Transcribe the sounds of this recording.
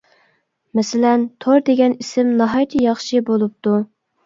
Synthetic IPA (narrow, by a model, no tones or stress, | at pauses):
mɛsɪlɛnt̪ʰoɾd̪eɡʲɛnisɪmnɑɦɑjt̪ʰɨjɑχʃibolˠup̚t̪u